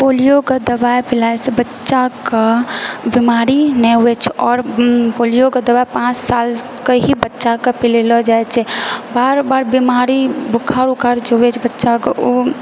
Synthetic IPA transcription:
polijoɡəd̪əbajpʰilajsebətːʃakəbimaɾinɛwɛt͡ʃʰɔːɾpolijoɡəd̪əbapãt͡ʃsal | kəɦibətːʃakəpilelɔd͡ʒajt͡ʃʰɛbaɾbaɾbimaɾibukʰːaɾukaɾd͡ʒowɛt͡ʃʰbətːʃakeo

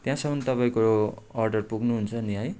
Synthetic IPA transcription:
t̪jãsʌmʌnt̪ʌpaĩko | ʌrɖʌrpuɡnuɦunt͡sʰʌniɦʌj

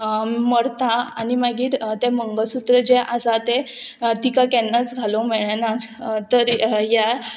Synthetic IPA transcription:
məɽt̪aanimaɡiːɾt̪ɛ̃məŋɡəsut̪ɾəd͡ʑeʔasat̪e | t̪ikakɛnːat͡sɡʱalɔmeɭanaɾt̪əɾja

